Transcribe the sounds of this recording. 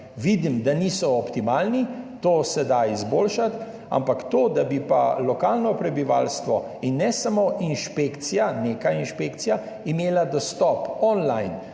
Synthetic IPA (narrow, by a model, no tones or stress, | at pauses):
ʋid̪imd̪aniːsɔɔpt̪imaːlnit̪oːsɛd̪aizboːlʃat̪ | a̰mpakt̪oːd̪abipa̰lɔkaːlnɔpɾɛbiʋa̰lst̪ʋɔ | inːɛsamoʔinʃpekt̪sijaneːkainʃpeːkt̪sija | imeːlad̪ɔst̪ɔpɔnlajn